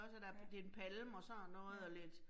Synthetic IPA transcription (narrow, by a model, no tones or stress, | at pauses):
ɒsæd̥æd̥eenpʰælmɒ̽sɒnɔ̽ːð̩ˠɒle̝d̥